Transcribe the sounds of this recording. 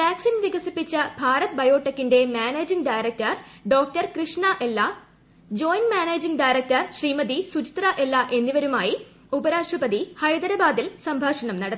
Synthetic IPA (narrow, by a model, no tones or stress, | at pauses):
ʋaːksinʋiɡɐsipːit͡ɕːɐbʱaːɾɐt̪̚bɐjo̞ːʈːɐkːinde̞maːneːd͡ʑiŋɖɐjɾɐk̚tɐrɖo̞ːk̚ʈɐrkrɨʂɳɐʔelːɐ | d͡ʑo̞ːjnmaːneːd͡ʑiŋɡɖɐjɾɐk̚tɐrɕriːmɐd̪isut͡ɕi̥t̪rɐʔe̞lːaʔe̞nːiʋɐɾumaːji | ubɐɾaːʂubɐd̪ihɐjd̪ɐɾɐbaːd̪ilsɐmbʱaːʂɐɳɐmnɐɽɐt̪ː